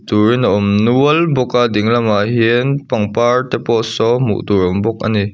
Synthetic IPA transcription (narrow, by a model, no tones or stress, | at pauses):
t̪uɾinaɔmnuəlbɔkadiŋlɐmaɦinpɐŋpaɹt̪ɛpɔʔsɔmṵʔt̪uɾɔmbɔk̚ʔa̰ni